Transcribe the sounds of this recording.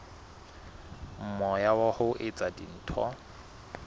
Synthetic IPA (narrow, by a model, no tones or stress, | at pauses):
m̩mɔjawahʊʔɪt͡sʼadḭn̩ːtʰɔ̰